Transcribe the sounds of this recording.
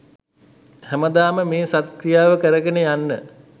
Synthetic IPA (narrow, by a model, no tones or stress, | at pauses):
hæməd̪aːməmeːsat̪̚krijaːʋəkəɾəɡənəjanːə